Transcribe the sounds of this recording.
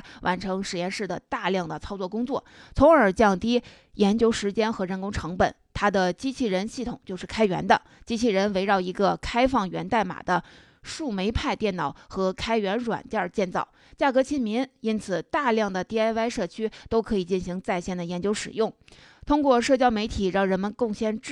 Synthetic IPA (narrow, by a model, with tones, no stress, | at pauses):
wʔa˧˥nʈ͡ʂʰɤ˧˥ŋʂɻ̩˨˩jɛ˥˧nʂɻ̩˥˩d̪ə̰˩t̪a˥˧ljɑ˥˩ŋd̪ə˩t͡sʰɑ˥ʊt͡swɔ˥˩k̬ʊ˥ŋt͡swɔ˥˩t͡sʰʊ˧˥ŋə˞˨˩t͡ɕjɑ˥˩ŋt̪i˥ | jɛ˧˥nt͡ɕjo˥ʊʂɻ̩˧˥t͡ɕjɛ˥nxɤ˧˥ɻə˧˥nkʊ˥ŋʈ͡ʂʰɤ˧˥ŋpə˨˩˦nt̪ʰa˥d̪ə˨t͡ɕi˥t͡ɕʰi˥˩ɻə˧˥nɕi˥˩t̪ʰʊ˨˩ŋt͡ɕjo˥˧ʊʂɻ̩˥˩kʰa˥ɪɥɛ̰˧˥nd̪ə˧ | t͡ɕi˥t͡ɕʰi˥˩ɻə˧˥nwe˧˥ɪɻɑ˥˩ʊi˧˥ɡə˧kʰa˥ɪfɑ˥˩ŋɥɛ˧˥nt̪a˥˩ɪma̰˨˩d̪ə˦ | ʂu˥˩me˧˥ɪpʰa˥˧ɪt̪jɛ˥˩nnɑ˨˩˦ʊxɤ˧˥kʰa˥ɪɥɛ˧˥nɻwa̰˨˩nt͡ɕə˞˥˧˩t͡ɕjɛ˥˧nt͡sɑ˥˩ʊ | t͡ɕja˥˩kɤ˧˥t͡ɕʰi˥nmi˧˥ni˥nt͡sʰɹ̩˨˩t̪a˥˧ljɑ˥˩ŋd̪ə˩t̪i˥˩a˥ɪa˥ɪʂɤ˥˩t͡ɕʰy˥t̪o˥ʊkʰɤ˧˥i˨˩t͡ɕi˥˩nɕi˧˥ŋt͡sa˥˧ɪɕjɛ˥˩nd̪ə˩jɛ˧˥nt͡ɕjo˥ʊʂɻ̩˨˩jʊ˥˩ŋ | t̪ʰʊ˥ŋkwɔ˥˧ʂɤ˥˩t͡ɕjɑ˥ʊme˧˥ɪt̪ʰi˨˩ɻɑ˥˩ŋɻə˧˥nmə˧nkʊ˥˧ŋɕjɛ˥n˥